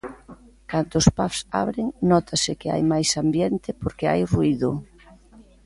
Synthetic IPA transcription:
kand̪oʊspafsa̰βɾɪŋnɔt̪ʰasɪkɪa̰jmajsambjɛnt̪ɪpoɾkɪa̰jruiðʊ

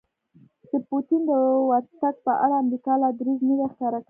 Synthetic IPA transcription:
d̪̥əpot̪ind̪əwaɾt̪aɡ̚pəʔa̰ɽaːmɾikɑlɑd̪ɾiznəw̪axkɑɾaka

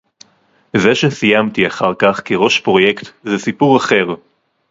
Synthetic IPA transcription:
zeʃesijamt̪iaχaʁkaχkiʁo̞ʃpʁo̞je̞kt̪zesipuʁaχe̞ʁ

